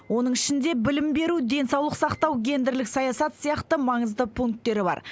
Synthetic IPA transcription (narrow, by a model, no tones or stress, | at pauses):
wo̞nəɴɪʃɪnd̪e̞bɪlɪmbe̞ɾud̪e̞nsɑwlˠəqsɑqt̪ɑwɡʲe̞nd̪eɾlɪksɑjɑsɑt̪sijɑqt̪əmɑɴəzd̪əpʰuŋk̚t̪ːe̞ɾɪbɑ̰ɾ